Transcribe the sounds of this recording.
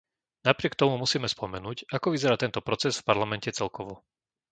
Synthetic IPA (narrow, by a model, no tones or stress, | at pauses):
napɾɪɛkt̪ɔmumusiːmɛspɔmɛnuːcakɔʋizɛɾaːt̪ɛnt̪ɔpɾɔt͡sɛzfpaɾlamɛncɛt͡sɛlkɔʋɔ